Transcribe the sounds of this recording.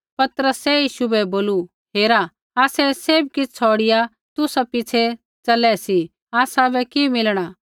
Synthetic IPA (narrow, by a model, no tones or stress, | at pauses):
pɐt̪ɾəsɛjiːʃubɛboːlu | ɦeːɾa | aːsɛseːbkɪt͡st͡sʰɔːɽɪja | t̪ʊsapɪt͡ʃʰe | t͡ʃɐlɛsi | aːsabʱɛkimɪlɽ̃a